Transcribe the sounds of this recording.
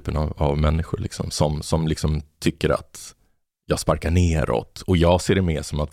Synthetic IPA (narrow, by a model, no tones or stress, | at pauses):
pənavavmɛnːɪxʊɭɪksɔ̰msɔmsɔmlɪksɔmt̪ʰʏkːəɾa̰t̪ | jɑːɡspaɾkaɳeːɾɔ̰t̪ːɔjɑːɡseːɖɛmeːʂɔmat̪